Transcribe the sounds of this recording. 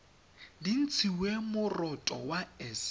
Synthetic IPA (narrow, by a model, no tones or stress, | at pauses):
din̩t͡sʰiwemʊrɔtʼɔ̰waɛs